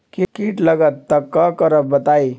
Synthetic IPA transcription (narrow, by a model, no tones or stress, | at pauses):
kikiʈləɡət̪ːəkːakəɾəp̚bət̪ai